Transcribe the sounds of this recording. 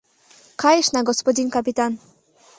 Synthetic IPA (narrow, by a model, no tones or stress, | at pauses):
kajɛʂnaɡɔspɔd͡ʑinkapʲit̪an